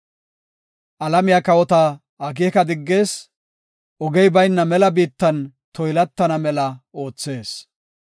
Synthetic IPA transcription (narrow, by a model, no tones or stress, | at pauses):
ʔɐlɐmɪjakɐwɔt̪ɐ | ɐk̬iɛkɐd̪ɪɡːe̞ːs | ʔɔɡɛjbɐjnːɐmɛlɐbiːt̪ːɐn | t̪ɔjlɐt̪ːɐnɐmɛlɐo̞ːt͡sːe̞ːs